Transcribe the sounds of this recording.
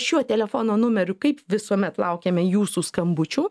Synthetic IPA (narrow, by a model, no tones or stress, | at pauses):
ʃʲuɔt̪ʲɛlʲɛfoːnoːnʊmʲɛɾʲʊkɐɪpʋʲɪsuɔmʲɛt̪lˠɐʊkʲeːmʲɛjuːsuːskɐmbʊt͡ʃʲuː